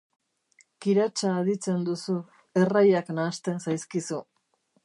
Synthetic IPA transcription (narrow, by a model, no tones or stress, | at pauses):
kiɾat͡ʃaːðit͡se̞nd̪usu | e̞rajaknaːst̪ensajskisu